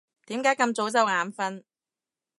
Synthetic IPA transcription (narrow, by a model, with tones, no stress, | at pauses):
t̪iː˨˥mkaː˨˥jkɐ˧mt͡so˨˥wt͡sɐ˨˧wŋaː˨˥mfɐ˧n